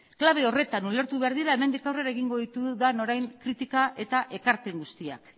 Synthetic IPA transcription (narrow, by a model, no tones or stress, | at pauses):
klaβ̞e̞o̞re̞t̪anule̞ɾt̪uβe̞aɾðiɾae̞me̞nd̪ikawre̞ɾae̞ɣ̞iŋɡo̞ðit̪uðano̞ɾajŋkɾit̪ikaʔe̞t̪aʔe̞kaɾpe̞ŋɡust̪ia̰k